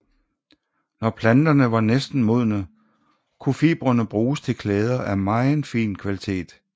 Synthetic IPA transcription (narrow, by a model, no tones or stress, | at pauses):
nɒpʰlænd̥ɐnəʋɑ̈nesd̥n̩mo̝ð̰ˠnə | kʰufiːb̥ʁɐnəb̥ʁuːst͡sʰe̝lkʰlɛːð̞ˠɐʔæmɑ̈ɪn̩fḭːnkʰʋælit͡sʰe̝̰ːd̥